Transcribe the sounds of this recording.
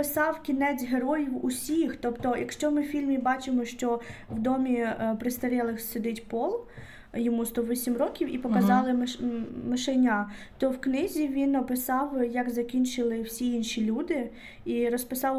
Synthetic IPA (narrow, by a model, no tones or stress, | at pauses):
ɪsɑwkʲinɛt͡sʲɦeɾɔjiwṵsʲixt̪ɔpt̪ɔjʔɐ̰kʃt͡ʃɔmɪwfʲilʲmʲibɑt͡ʃɪmɔʃt͡ʃɔwd̪ɔmʲipɾɪst̪ɐɾʲɛlˠɪxsɪd̪ɪtʲpɔlˠ | jɔmust̪ɔʋɔsʲimrɔkʲiwipɔkɐzɑlˠɪ | mɪʃenʲat̪ɔwknɪzʲiʋʲinːɐpɪsɑwjɐkzɐkʲinʲt͡ʃɪlˠɪwsʲiinʃilʲud̪ɪ | iɾɔspɪsɑw